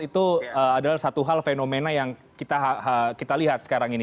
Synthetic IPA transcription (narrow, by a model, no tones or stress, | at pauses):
it̪uəadalasat̪uɦalfenomenajaŋkit̪aɦhəkit̪aliɦat̪̚sə̥kaɾaŋini